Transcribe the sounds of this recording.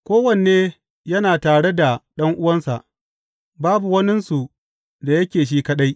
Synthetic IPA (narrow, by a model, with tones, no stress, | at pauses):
kʷoː˦wɐ˨n˨eː˦ | jɐ˦naː˨taː˨ɽe˦da˨ɗɐ˦ŋʔʊ˦wɐ˦nsa̰˨ʔ | baː˦bu˨wɐ˦nɪ˦nsu˨ | da˨jɐ˦kʲeː˨ʃ̬iː˦kɐ˦ɗa˦j